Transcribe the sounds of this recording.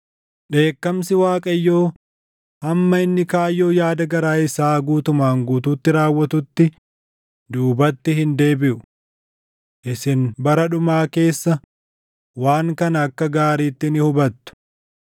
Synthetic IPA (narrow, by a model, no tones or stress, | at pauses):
ɗe̞ːkːɐmsɪwaːkʼɐjːo̞ː | hɐmːɐɪnːɪkaːjːo̞ːjaːd̪ɐɡɐɾaːɪsaːɡuːt̪ʊmaːŋɡuːt̪uːt̪ːɪɾaːwːɐt̪ʊt̪ːɪ | d̪uːbɐt̪ːɪhɪnd̪e̞ːbɪʔʊ | ʔɪsɪnbɐɾɐᶑʊmaːke̞ːsːɐ | waːŋkɐnɐːkːɐɡaːɾiːt̪ːɪnɪhʊbɐt̪ːʊ̥